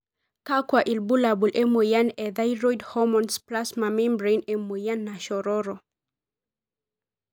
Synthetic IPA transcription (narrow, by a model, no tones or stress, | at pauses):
kakwaʔilbulabulʔɛmojanɛðajɾɔjdhɔmɔnsplasmamɛ̃mbɾejnɛmojanːaʃɔɾɔɾɔ